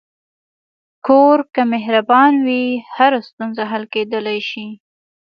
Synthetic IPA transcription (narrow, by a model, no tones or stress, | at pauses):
koɾkamɪɦɾabɑnwihaɾast̪unzaɦalked̪əlajʃi